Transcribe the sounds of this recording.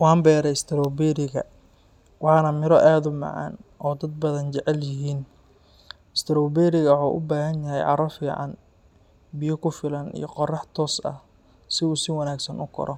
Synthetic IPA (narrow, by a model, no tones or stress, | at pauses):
wɑːmbɛːɾɛjɪst̪ʰɪɾɔwbɛɾɪɣɐ̰ | wɑħɑnɐmɪɾɔʔaːðʊmɑ̰ʕɑ̰ːnɔːd̪ɐd̪̚bɐðɐnt͡ʃɛʕɛljɪɦiːn | ɪst̪ʰɪɾɔːbɛːɾɪɣɐħɔ̰ːʔʊ̰baːɦɐnjɐɦɛ̰jʕɑ̰ɾɔfiːʕɑ̰n | bɪjɔkʰʊfɪlɐnḭjɔqɔrɑħt̪ʰɔːsɐ̰h | sɪuːsɪwɐnaːɡsɐnʊkʰɔ̰ɾɔ